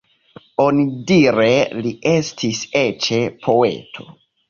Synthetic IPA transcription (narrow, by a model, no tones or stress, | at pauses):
o̞nidiɾelie̞stʰiset͡ʃe̞pʰo̞e̞̰tʰo̞̰